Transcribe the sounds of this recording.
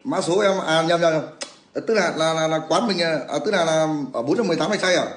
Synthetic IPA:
maː˧˥so˨˦a˧m˧ʔaː˨˩˨ɲə˨˩mɲa˨˩ɲa˨˩ | ə˨˩t̪ɨ˨˦k̚naː˨˩laː˨˩laː˨˩laː˨˩kwaː˨˦nmï˨˩ŋ̟aː˨˩ʔəː˨˩t̪ɨ˧˦˥naː˨˩laː˨˩ʔəː˧˩ɓo˨˦nt͡ɕa˧mɨ˨˩jt̪aː˨˦mha˨˩jsa˧jaː˨˩

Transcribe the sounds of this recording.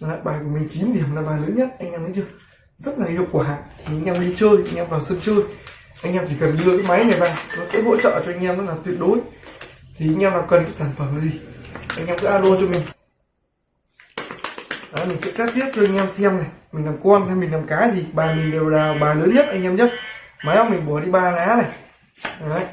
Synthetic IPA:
a̰ː˧˨˩ɓaː˨˩jku˧˩mï˨˩ŋ̟t͡ɕi˨˦mɗi˧˩əmlaː˨˧˩ɓaː˨˩ləː˨˦nɲə˦˥t̚ʔa˧jŋ̟ʔa˧məː˨˦jzɨ˧ | zə˦˥t̚laː˨˩ʔi˧əpku˧˩ɦa̰ː˧˨ʔt̪ʰi˨˩ʔa˧jŋ̟ʔaː˧mli˧t͡ɕəː˧jʔa˧jŋ̟ʔaː˧mvaː˨˩wsə˧mt͡ɕəː˧j | ʔa˧jŋ̟ʔaː˧mt͡ɕi˧˩kə˨˩nɗɨ˧əkaː˨˦jma˨˦jnaː˨˩jɓaː˧˩nɔ˨˦sɛ̰˧˥ɦo̰˧˥t͡ɕə̰ː˧˨t͡ɕɔ˧ʔa˧jŋ̟ʔaː˧mza˨˦˥la˨˩t̪wi˧˩ət̚ɗo˨˦jt̪ʰi˨˩ʔa˧jŋ̟ʔaː˧mlaː˨˩wkə˨˩nkaː˨˦jsaː˧˩nfə˨˩mna˨˦zi˨˩ʔa˧jŋ̟ʔa˧msɛ̰˧˥ʔaː˧ɗo˧nt͡ɕɔ˧mï˨˩ŋ̟ | ʔaː˨˧jmi˨˩ŋ̟sɛ̰˧˥kaː˦˥t̪i˦˥t̚t͡ɕɔ˧ʔa˧ŋʔa˧msɛ˧mna˨˩jmï˨˩ŋ̟la˨˩mkwɔ˧nha˧mi˨˩ŋ̟laː˨˩mkaː˨˦zi˨˩ɓaː˨˩mï˨˩ŋ̟ɗe˨˩wlaː˨˩ɓaː˨˩ləː˨˦nɲə˦˥t̚ʔa˧jŋ̟ʔaː˧mɲə˦˥t̚ma˨˦jhŋ͡mmi˨˩ŋ̟ɓɔ˨˧˩ɗi˧ɓaː˨˩laː˨˦na˨˩ | ʔaː˨˧˦

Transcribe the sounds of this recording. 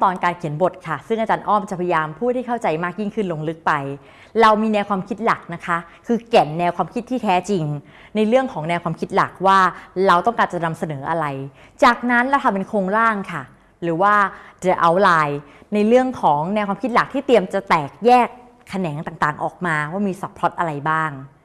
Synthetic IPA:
t̪ɔː˧nkaː˧nkʰi˨˩˦ənbo˨˩t̪̚kʰa˥˩sɯ˥˩ŋa˧t͡ɕaː˧nʔɔː˥˩mt͡ɕa˨˩pʰja˧jaː˧mpʰuː˥˩t̪ʰiː˥˩a˥˩wt͡ɕa˧jmaː˥˩k̚ji˥ŋkʰɯ˥˩nlo˧ŋlɯ˦˥k̚pa˧j | ɾa˧wmiː˧nɛː˧wkʰwaː˧mkʰi˦˥t̪̚la˨˩k̚na˦˥kʰa˦˥ | kʰɯː˧kɛ˨˩nːɛː˧wkʰaː˧mkʰi˦˥t̪ʰːiː˥˩t̪ʰɛː˦˥t͡ɕi˧ŋ | na˧jɾɯ˥˩əŋkʰɔː˩˦ŋnɛː˧wkʰwaː˧mkʰi˦˥t̪̚la˨˩k̚waː˥˩ɾa˧wt̪ɔ˥˩ŋkaː˧˩nt͡ɕa˨˩na˧msa˧nɤː˩˦ʔa˧ɾa˧j | t͡ɕaː˨˩k̚na˦˥nɾa˧wt̪ʰa˧mpe˧nkʰoː˧ŋɾaː˥˩ŋkʰa˥˩ | ɾɯː˩˦waː˥˩t͡ɕa˨˩ʔa˧wlaː˧j | na˧jɾɯ˥˩əŋkʰɔː˩˦ŋnɛː˧wkʰaː˧mkʰi˦˥t̪̚la˨˩k̚t̪ʰiː˥˩t̪i˧əmt͡ɕa˨˩t̪ɛː˨˩k̚jɛː˥˩kʰː | a˧nɛː˩˦ŋt̪aː˨˩ŋt̪aː˨˩ŋʔɔː˨˩k̚maː˧waː˥˩miː˧sa˨˩pʰɾɔ˦˥t̪̚ʔa˧ɾa˧jbaː˥˩ŋ

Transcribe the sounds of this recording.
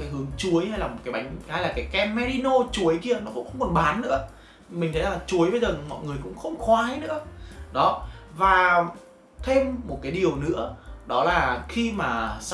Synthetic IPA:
kaː˨˦jɦɨ˨˦əŋt͡ɕu˨˦əjha˧jlaː˨˩mo˨˩kaː˨˦jɓa˨˦jŋ̟ha˧jlaː˨˩kaː˨˦jkɛ˧mːɛ˧ɗi˧no˧t͡ɕu˨˦əjki˧ənɔ˨˦xʊ̰˧˥ŋ͡mxə˧wŋ͡mkɔ˨˩nɓaː˨˦nːɨ̰˧˥ə | mï˨˩ŋ̟t̪ʰə˨˦jlaː˨˩t͡ɕu˨˦əjvəː˨˦jzə˨˩mɔ̰˧˨jŋɨ˨˩əjkʊ̰˧˥ŋ͡mxə˧wŋ͡mxwaː˨˧˦jnɨ̰˧˥əɗɔ˨˦vaː˨˩ | t̪ʰe˧mːo˨˩t̚kaː˨˦jɗi˨˩əwnɨ̰˧˥əɗɔ˨˦laː˨˩xi˧maː˨˩s

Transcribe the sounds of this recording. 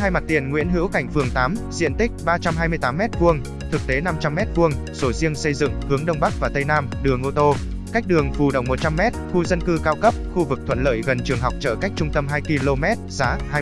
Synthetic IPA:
haː˧jma˨˩t̪i˨˩ənŋwḭ˧˥ənɦḭ˧˥əwka˧˩jŋ̟fɨ˨˩əŋt̪aː˨˦mzḭ˧˨ənt̪ï˦˥k̟̚ɓaː˧t͡ɕa˧mhaː˧jmɨ˧əjt̪aː˨˦mːɛ˦˥t̚ku˧əŋ | t̪ʰɨ˨˩k̚t̪e˨˦na˧mt͡ɕa˧mːɛ˦˥t̚ku˧əŋ | so˨˩zi˧əŋsə˧jzɨ̰˧˨ŋhɨ˨˦əŋɗə˧wŋ͡mɓa˦˥k̚vaː˨˩t̪ə˧jnaː˧mɗɨ˨˩əŋʔo˧t̪o˧ | ka˦˥jk̟̚ɗɨ˨˩əŋfu˨˩ɗə̰˧˨˩wŋ͡mmo˨˩t̚t͡ɕa˧mːɛ˦˥t̚xu˧zə˧nkɨ˧kaː˧wkə˦˥p̚xu˧vɨ˨˩k̚t̪ʰwə̰˧˨nlə̰ː˧˨jɣə˨˩nt͡ɕɨ˨˩əŋɦa˨˩wk͡p̚t͡ɕəː˧˩ka˦˥jk̚t͡ɕʊ˧ŋ͡mt̪ə˧mɦaː˧jki˧lo˧mɛ˦˥t̚z̥aː˨˦haː˧

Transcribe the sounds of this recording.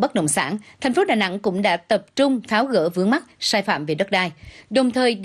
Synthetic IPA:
ɓə˦˥t̚ɗə̰˧˨wŋ͡msa̰ː˧˥nt̪ʰɛ˨˩jŋ̟fo˨˦ɗaː˨˩na̰˧˥ŋkʊ̰˧˥ŋ͡mɗa̰ː˧˥t̪ə˨˩p̚t͡ɕʊ˧ŋ͡mfaː˨˦wɣə̰ː˧˥vɨ˨˦əŋma˦˥t̚saː˧jfa̰ː˧˨mve˨˩ɗə˦˥t̚ɗaː˧jɗə˨˩wŋ͡mt̪ʰəː˨˩jɗ

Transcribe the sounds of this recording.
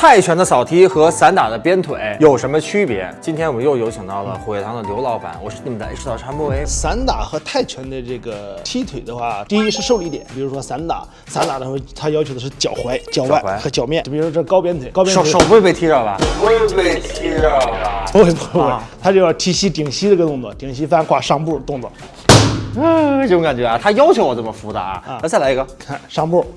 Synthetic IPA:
t̪ʰa˥˩ɪt͡ɕʰɥɛ˧˥nd̪ə˧sɑ˨˩ʊt̪ʰi˥xɤ˧˥sa˧˥nt̪a˨˩d̪ə˦pjɛ˥nt̪ʰwe˨˩˦ɪjo˨˩ʊʂə˧˥nmə˧t͡ɕʰy˥pjɛ̰˧˥t͡ɕi˥nt̪ʰjɛ˥nwɔ˨˩ə˦njo˥˩ʊjo˧˥t͡ɕʰɑ˨˩ŋt̪ɑ˥˩ʊlə̰˩xwe˨˩ɪt̪ʰɑ˧˥ŋd̪ə˨ljo˧˥ʊlɑ˧˥ʊpa̰˨˩˦nwɔ˨˩ʂɻ̩˥˩ni˨˩ə˦nd̪ə̰˧˥˩ʂ̩˥t̪ɑ˨˩ʈ͡ʂʰa˧˥nmɔ˥˩e˧˥sa˧˥nt̪a˨˩xɤ˧˥t̪ʰa˥˩ɪt͡ɕʰɥɛ˧˥nd̪ə˧ʈ͡ʂɤ˥˩ɡə˩t̪ʰi˥t̪ʰwe˨˩ɪd̪ə˦xwa˥˩t̪i˥˧i˥ʂɻ̩˥˧ʂo˥˧ʊlə˧˥i˥˩t̪jɛ̰˨˩˦npi˨˩ɻu˧˥ʂwɔ˥sa˧˥nt̪a̰˨˩˦ | sa˧˥nt̪a˨˩d̪ə˦ʂwa˥˩t̪ʰa˥jɑ˥ʊt͡ɕʰjo˧˥d̪ə˧ʂɻ̩˥˩t͡ɕjɑ˨˩ʊxwe˧˥ɪt͡ɕjɑ˨˩ʊwa˥˩˧xɤ˧˥t͡ɕjɑ˨˩ʊmjɛ˥˩˥i˨˩ɻu˦˥ʂwɔ˥ɤ˥˩˧kɑ˥pjɛ˥nt̪ʰwe˧˩˦kʊpjnʰ˨˧ʂo˨˩ʊwe˥˧ɪpe˥˩ɪt̪ʰi˥ɻɑ˥˩ʊlɐ̰˩e˥˧pe˥˧ɪt̪ʰi˥ɑ˥˧˩we˥˩pwe˥˩t̪ʰa˥t͡ɕjo˧ʊjɑ˥˩t̪ʰi˥ɕi˥t̪i˨˩ŋɕi˥ə˧˥ɡə˧t̪ʊ˥˧ŋt͡swɔ˥˩t̪i˨˩ŋɕi˥fa˥nxwa˥˧ʂɑ˥˧ŋpu˥˩˧t̪ʊ˥˧ŋt͡swɔ̰˥˩˧ | t͡ɕo˥˧˥ka˨˩nt͡ɕɥɛ˧˥a˧t̪ʰa˥jɑ˥ʊt͡ɕʰjo˧˥wɔ˨˩ʈ͡ʂə˥˩mə˨˩fu˧˥t͡sa̰˧˥˧t͡sa˥˩la˧˥i˧ɡə˧kʰa˥˩nʂɑ˥˧ŋpu˥˩

